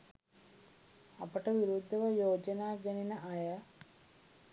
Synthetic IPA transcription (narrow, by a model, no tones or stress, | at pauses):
ɐpɐʈɐʋiɾud̪ʱːɐʋɐjoːd͡ʒɐnaːɡɐninɐʔɐjɐ